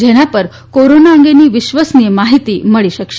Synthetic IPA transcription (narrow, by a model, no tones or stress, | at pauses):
d͡ʑʱeɽ̃japəɾ | koɾonaəŋɡeniːʋiɕʋəsnimaɦit̪iːməɭiɕəkʂ